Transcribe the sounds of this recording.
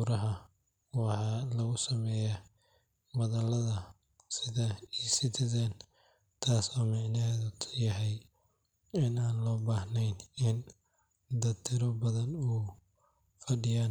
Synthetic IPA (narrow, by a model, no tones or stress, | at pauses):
uɾɐɦɐ | wɑħɑlɐɣʊsɐmɛːja | mɐðɐlɐðɐ | sɪðɐiːsɪt̪ʰɪðɛn | t̪ʰaːsɔːmɪʕnɛðt̪ʰjɐɦɛj | ɪnaːnlɔːbaːhnɛjnɪn | d̪ɐt̪ʰɪɾɔbɐðɐnuː | fɐɖɪjaːn